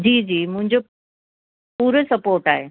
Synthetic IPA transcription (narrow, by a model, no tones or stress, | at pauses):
d͡ʑiːd͡ʑiːmʊ̃ɦɪ̃ɲd͡ʑo | puːɾəsɐpoːɾʈaːɦeː